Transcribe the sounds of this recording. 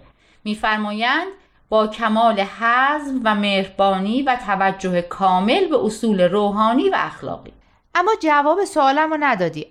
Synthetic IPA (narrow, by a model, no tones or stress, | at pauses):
miːfæɾmɒːjænd̪̥ | bɒːcʰæmɒːlehæzmvæmeːhɾbɒːniːvæt̪ʰævæd͡ʒːohekʰɒːme̞lbeʔosuːle̞ɾoːɦɒːniːvæ̰æxlɒ̰ːɣḭː | ʔæmːɒːd͡ʒævɒːbesoɒːlæmonæd̪ɒːd̪iː